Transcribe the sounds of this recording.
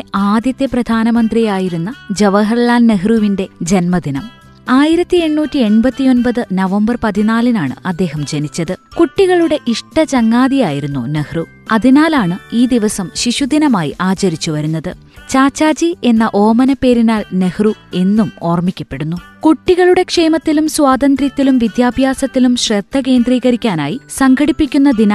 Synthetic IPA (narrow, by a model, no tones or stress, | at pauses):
eaːd̪jɐt̪ːeprɐd̪ʱaːnɐmɐnd̪rijaːjiɾunːɐd͡ʑɐʋɐɦɐrɭaːnneɦruʋinde̞d͡ʑenmɐd̪inɐm | aːjiɾɐt̪ːie̞ɳːuːtːie̞ɳbɐt̪ːio̞nbɐðɨnɐʋɐmbɐrpɐðinaːlinaːɳɨ̰ʔɐd̪ːe̞ːɦɐmd͡ʑe̞nit͡ɕːɐðɨkuʈːiɣɐɭuɽe̞ʔiʂʈɐt͡ɕɐŋːaːd̪ijaːjiɾunːunehru | ɐðinaːlaːɳɨiːd̪iʋɐsɐmɕiɕud̪inɐmaːjḭʔaːt͡ɕɐɾit͡ɕːuʋɐɾunːɐðɨ | t͡ɕaːt͡ɕːaːd͡ʑie̞nːɐʔo̞ːmɐnɐpe̞ːɾinaːlnehrue̞nːumo̞ːrmikʲːɐpːe̞ɽunːukuʈːiɣɐɭuɽe̞kʂe̞ːmɐt̪ːilumswaːd̪ɐnd̪rɐt̪ːilumʋid̪jaːbʱjaːsɐt̪ːilumɕred̪ʱːɐke̞ːnd̪riːɣɐɾikʲːaːnaːjisɐŋɡʰʱɐɽipːikʲːunːɐd̪inɐ